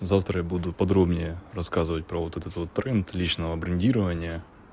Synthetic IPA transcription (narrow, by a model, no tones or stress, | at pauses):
zaft̪ɾɐjabud̪ʊpɐd̪ɾobnʲɪjərɐskazɨvɐt̚ʲpɾɐvot̪ɛt̪ɛt̪vot̪ːɾɛnt̪lʲit͡ɕnəʋɐbɾɨnʲdʲiɾəvɐnʲɪjə